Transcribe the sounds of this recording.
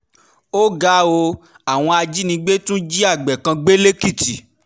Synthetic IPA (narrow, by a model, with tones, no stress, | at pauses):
o˦ɡa˦o˧ | a˨w̃ɔ̃˧a˧d͡ʒi˦nĩ˧ɡ͡be˦tũ˦d͡ʒi˦a˦˨ɡ͡bɛ˨kã˧ɡ͡be˦le˦ki˦˨ti˨